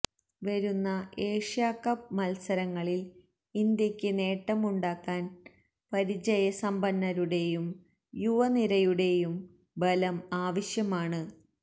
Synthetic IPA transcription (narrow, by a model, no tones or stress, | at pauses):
ʋɐɾunːɐe̞ːʂjaːkːɐp̚mɐlsɐɾɐŋːɐɭil | ind̪jɐkʲːɨne̞ːʈːɐmuɳɖaːkːaːn | pɐɾid͡ʑɐjɐsɐmbɐnːɐɾuɽe̞jum | juʋɐniɾɐjuɽe̞jum | bɐlɐmaːʋɐɕjɐmaːɳɨ